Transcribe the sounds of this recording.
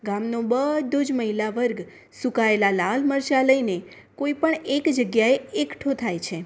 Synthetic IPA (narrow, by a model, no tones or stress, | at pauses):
ɡamnobəd̪ʱod͡ʒməɦilaʋəɾɡ | sukaelalalməɾʃaləine | koipəɳekd͡ʒəɡjaeekʈʰot̪ʰajt͡ʃʰe